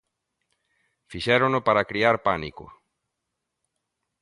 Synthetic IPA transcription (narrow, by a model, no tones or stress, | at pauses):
fiʃɛɾonopaɾakɾiaɾpanḭkʊ̰